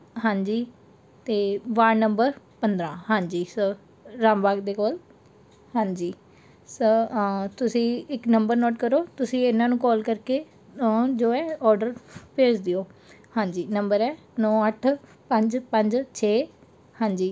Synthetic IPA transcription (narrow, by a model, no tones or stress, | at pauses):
ɦãːɲd͡ʒiː | t̪eːʋaːɾnəmbəɾ | pənd̪ɾãːhãːɲd͡ʒiːsə | ɾãːmbaːɡd̪eːkoːl | hãːɲd͡ʒiː | sət̪ʊsĩːɪknəmbəɾnɔːʈkəɾoːt̪ʊsĩːɪnãːnũːkɔːlkəɾkeː | d͡ʒoːɛːɔːɾɖəɾpʰeːd͡ʒd̪ɪoːhãːɲd͡ʒiːnəmbəɾɛː | nɔ̃ːəʈʰ | pəɲd͡ʒpəɲd͡ʒt͡ʃʰeː | hãːɲd͡ʒiː